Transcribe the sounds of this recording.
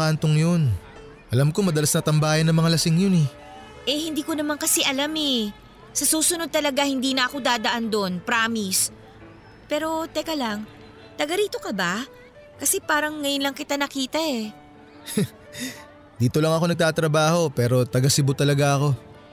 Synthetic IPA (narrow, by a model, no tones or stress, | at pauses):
ant̪oŋjon | ʔɐlamkomɐd̪ɐlasnɐt̪ɐmbaːjɐnːɐŋmɐŋalɐsɪŋjonɛ | ʔɛhɪnd̪iːko̞nɐmankɐsɛʔɐlamɛ | sɐsuːsʊno̞d̪̚t̪ɐlɐɡahɪnd̪iːnɐʔɐko̞d̪aːd̪ɐʔand̪o̞npɾaːmis | pɛːɾo̞t̪ɛkɐlaŋ | t̪ɐɡɐɾiːt̪o̞kɐba | kɐsɛpaːɾɐŋːɐjʊnlɐŋkɪt̪anɐkiːt̪ɐʔɛ | d̪iːt̪o̞lɐŋɐko̞nɐɡ̚t̪aːt̪ɾɐbaːho̞pɛːɾo̞t̪ɐɡasɪbʊt̪ɐlɐɡaʔɐko̞